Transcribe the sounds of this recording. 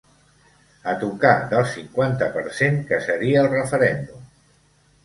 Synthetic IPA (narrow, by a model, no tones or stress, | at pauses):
ət̪ukad̪əlˠsiŋkwant̪əpəɾseŋkəsəɾiəːlˠrəfəɾɛnd̪um